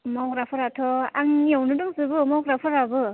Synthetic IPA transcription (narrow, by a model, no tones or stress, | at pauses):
mawkɾapʰɯɾatʰɔaŋniɔwnɯdɯŋzɯbɯmɔwkɾapʰɯɾabɯ